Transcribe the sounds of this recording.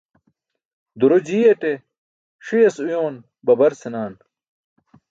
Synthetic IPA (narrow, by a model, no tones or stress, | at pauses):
d̪uɾod͡ʑiːɐte | ʂijɐsujoːn | bɐbɐɾsenaːn